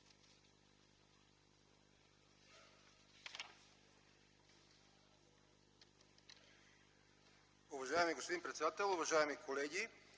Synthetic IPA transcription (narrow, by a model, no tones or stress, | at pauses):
uʋaʒaːjemiɡospod̪inmpɾet̪sʲed̪at̪elʲuʋaʒajamikʰoleːɡi